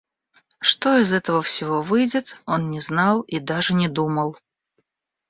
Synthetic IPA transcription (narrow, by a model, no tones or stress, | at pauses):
ʂt̪oɪzɛt̪əvəfsʲɪvovɨjdʲɪt̪o̞nnʲɪznɑlˠid̪aʐɨnʲɪd̪uməlˠ